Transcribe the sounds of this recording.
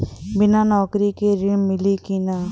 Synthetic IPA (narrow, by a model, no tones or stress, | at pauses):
bɪnanɔːkɾikeɾɪmɪlikina